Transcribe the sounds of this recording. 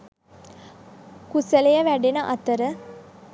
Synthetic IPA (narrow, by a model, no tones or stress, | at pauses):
kusəlejəʋæɖenəʔɐt̪əɾə